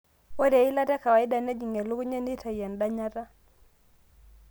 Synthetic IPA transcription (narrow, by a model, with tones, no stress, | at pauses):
o˦de˨i˦la˦tɛ˦ka˨wa˨ɪ˦da˨nɛ˦d͡ʒi˨ŋe˨lu˦kɲe˦ni˦ta˨jɛ˨nda˦ɲa˦ɾa˦